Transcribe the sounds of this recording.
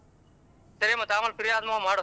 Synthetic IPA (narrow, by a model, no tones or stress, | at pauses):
t̪əɾeːmət̪aːməlkɪɾɪjaːd̪mãːmaːɽo